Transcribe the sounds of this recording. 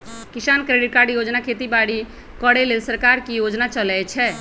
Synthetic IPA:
kisankɾeɖiʈ̚kaɾɖjod͡ʒnakʰet̪ibaɽi | kəɽelelsəɾkaɾkijod͡ʒnat͡ʃəlɛt͡ʃʰɛ

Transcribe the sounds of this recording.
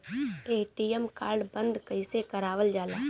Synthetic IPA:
eːʈiːɛmkaːɾɖbə̃nd̪kəɪsekəɾaːʋəld͡ʒaːlaː

